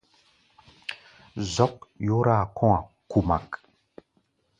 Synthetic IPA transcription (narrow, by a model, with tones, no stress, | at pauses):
zɔ˦k̚jo˦ɾa˦˨kʰɔ̃˦a˨ | ku˨ma˨k